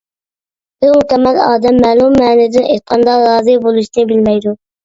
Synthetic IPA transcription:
b̥ɪɾmukʲɛmɛlɑːd̪ɛmːɛːlˠummɛːnɪd̪ɪnʔejt̪̚qʰɑnd̪ɑɾɑːzɨbolˠuʃinɪbɪlmɛjd̪u

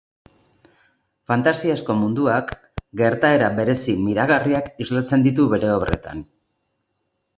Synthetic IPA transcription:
fant̪asiasko̞mund̪uak | ɡe̞ɾt̪ae̞ɾabe̞ɾe̞simiɾaɣariakizlat͡se̞nd̪it̪̬uβe̞ɾe̞o̞βre̞̰t̪a̰n

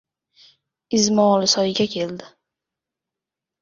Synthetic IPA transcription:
ɪzmɒlɪsɒjɪɡʲakʲʰe̞ld̪ɪ

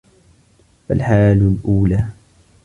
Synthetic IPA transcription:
fa̰lħaːlʊlʔuːlaː

